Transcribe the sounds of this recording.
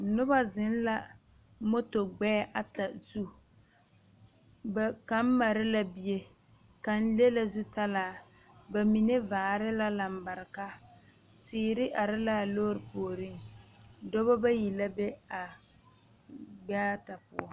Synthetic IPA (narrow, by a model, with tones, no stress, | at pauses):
nʊ˦ba˦zɪ˨˦n˦la˦ | mo˦to˨ɡ͡bɛː˦ʔa˨ta˨z̥u˦ | ba˨ka˨˦m̩˦ma˨ɾɪ˦la˦bi˦e˦ | ka˨n̩˦le˦la˦zu˦ta˦laː˨ | ba˨mi˨ne˦vaː˨ɾɪ˦la˦la˨m̩˨ba˨ɾɪ˨ka˦ | tiː˦ɾɪ˦ʔa˨ɾɪ˦laː˦˨lo˦ɾɪ˨poː˨ɾɪ˦ŋ˨dɔ˦ba˦ba˦ji˨la˦be˦a˨ | ɡ͡ba˦ta˨pʊ̰˦ɔ˨